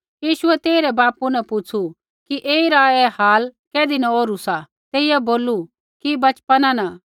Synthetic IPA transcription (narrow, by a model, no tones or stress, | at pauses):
jiːʃʊɛt̪eːɾɛbaːpunɐpʊt͡sʰu | kiʔeːiɾaɛhaːlkɛːd̪inãoːɾusa | t̪eːɪjaboːlu | kibɐt͡ʃpanana